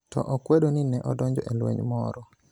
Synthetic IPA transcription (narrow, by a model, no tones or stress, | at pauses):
tɔ̰ʔokwedoninɛʔɔdɔɲd͡ʒɔʔelwḛɲmɔ̰ɾɔ